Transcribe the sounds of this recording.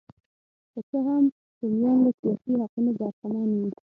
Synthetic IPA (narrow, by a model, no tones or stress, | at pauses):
kət͡ʃəɦam | d̪əmjɑnlasijɑsihaqunod̪əɑɾqamɑnwi